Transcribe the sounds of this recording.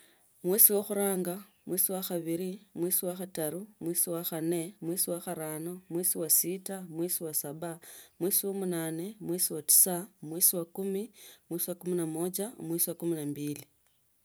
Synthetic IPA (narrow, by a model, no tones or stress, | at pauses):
mwiːsiwoxuɾaːŋɡa | mwisiwaxaβiɾimwisiwaxataɾumwisiwaxane̞mwisiwaxaɾaːnomwisiwasitamwisiwasaβamwisiwomunaːne̞mwisiwati̥samwisiwakumimwisiwakuminamod͡ʒamwisiwakuminambili